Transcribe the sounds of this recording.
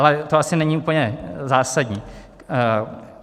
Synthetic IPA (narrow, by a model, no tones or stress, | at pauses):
lɛt̪oasɪnɛɲiuːpl̩ɲɛzaːsaɟɲiː